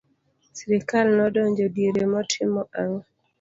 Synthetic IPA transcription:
siɾikalnɔdɔɲd͡ʒɔdiɾemɔtʰɪmɔʔaŋɔ

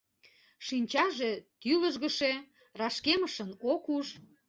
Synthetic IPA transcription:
ʃinʲt͡ɕɑʒet̪yləʒɣəʃe | rɑʃkeməʃənokuʒ

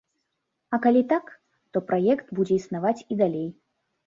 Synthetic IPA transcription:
ɐkalʲit̪ak | t̪ɔpɾajɛkt̪bud͡zʲɛisnavat͡sʲid̪alʲej

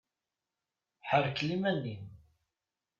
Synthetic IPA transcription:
ħəɾklimænːim

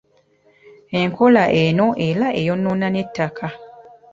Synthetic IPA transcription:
eŋkʰolaʔenoʔelaʔejonːonanetːakʰa

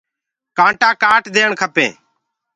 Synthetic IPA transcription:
kãːɳʈãːkaːʈd̪eːəɳkʰəpḛ̃ː

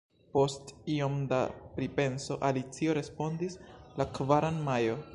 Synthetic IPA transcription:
po̞stio̞mda̰pɾipe̞nso̞ʔalit͡sio̞ɾe̞spo̞ndislakvaɾanmajo̞

